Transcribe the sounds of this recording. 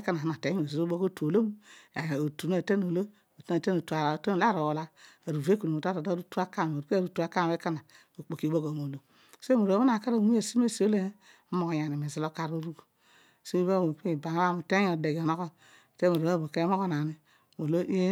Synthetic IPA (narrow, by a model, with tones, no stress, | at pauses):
ka˦na˨a˦na˨e˨˦˨o˨zi˨o˦bo˦ko˦tu˨o˨lo˦m˦a˨o˨tu˨na˦˨te˦no˨lo˦ | o˨te˦na˨te˦no˨tu˨a˨ɾa˨te˦n˨la˦˨ɾo˨wo˨la˦a˨ɾu˨ve˦ku˨nu˨mo˨ta˦to˨da˦ɾu˦tu˦a˦ka˦˨o˨ɾu˦ka˦ɾu˦tu˨a˨ka˦m˨˦e˦ka˦na˨ | o˨k͡po˨ki˨bo˦ko˨mo˨lo˨ | smo˨ɾba˦a˨ka˦ɾa˨˦e˨si˦m˦e˦˨si˨˦o˦le˦ | mo˦ko˨ja˨ni˨mi˨zi˦lo˦ka˦ɾo˦ɾu˦ku˨ | so˦bo˦o˨kba˨˦a˦˨mu˨te˦ɲ˦o˨de˨ɡo˨no˦ko˦˨ | te˦mo˨ɾo˨˦a˦˨bo˨ke˦mo˦ko˦na˨ni˨ | mo˨lo˦ʔi˦